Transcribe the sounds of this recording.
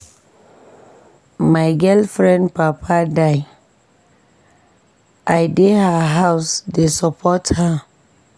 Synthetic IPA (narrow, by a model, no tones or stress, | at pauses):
maɪɡɛlfɾɛ̃ndpapʰadaɪ | ajdehaɦaʊsdesɔpʰɔtha